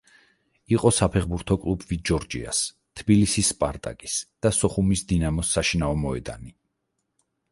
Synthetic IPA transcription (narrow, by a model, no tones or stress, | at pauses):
iqʼɔsapʰɛχbuɾt̪ʰɔkʼlˠubvid͡ʒɔɾd͡ʒḭa̰s | t̪ʰbilisisːpʼaɾt̪ʼa̰kʼisd̪̥asɔχumisd̪inamɔsːaʃinaɔmɔɛd̪a̰ni